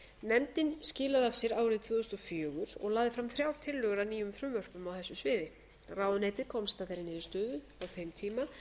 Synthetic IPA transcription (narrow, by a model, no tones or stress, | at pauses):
nɛmt̪ɪnscɪːlaðav̥sjɛɾaːwɾɪðt̪ʰv̥ɔːðʏst̪ɔfjœːɣʏɾ̥ɔ̰ɣlaːðɪfɾamθɾjaːwɾt̪ʰɪlːœːɣʏɾaniːjʏmfɾʏmvœr̥pʏmawθɛsːʏsvɪːðɪ | raːwðneːt̪ɪɾkʰɔwmst̪at̪aɾɪnɪːðʏst̪œːðʏ | awθejmt̪ʰiːma